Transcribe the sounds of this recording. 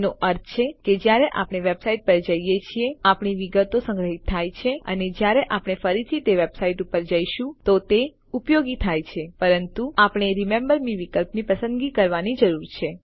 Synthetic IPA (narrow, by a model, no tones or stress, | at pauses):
noʔəɾt̪ʰt͡ʃʰeked͡ʒjaɾeʔapɽ̃eʋebsaiʈ̚pəɾd͡ʒəijet͡ʃʰieapɳ̃iʋiɡət̪osə̃ŋɡɾəɦit̪ʰːajt͡ʃʰeə̰ned͡ʒjaɾeʔapɽ̃efəɾit̪ʰit̪eʋebsaiʈupəɾd͡ʒəjʃũt̪ot̪e | upjoɡit̪ʰajt͡ʃʰepəɾənt̪uapɳ̃eɾimẽmbəɾniʋikəlpnipəsə̃nd̪ɡikəɾʋanid͡ʒəɾuɾt͡ʃʰe